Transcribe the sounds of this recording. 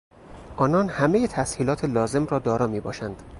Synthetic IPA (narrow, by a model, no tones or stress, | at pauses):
ʔɒːnɒːnhæme̞jet̪ʰæshiːlɒːt̪ʰelɒːze̞mrɒːd̪ɒːɾɒːmiːbɒːʃænd̪̥